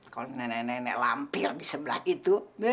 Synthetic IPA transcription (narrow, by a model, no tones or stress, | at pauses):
kalonɛnɛnɛnɛ̰ʔla̰mpɪrdisəbəla̰hit̪ume